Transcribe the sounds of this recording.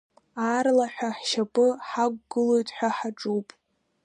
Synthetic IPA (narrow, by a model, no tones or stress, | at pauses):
aːrlaħʷᶣaħʃapʼɨħaɡʷɡɨlojtʼħʷᶣaħaʈ͡ʂʼuwpʼ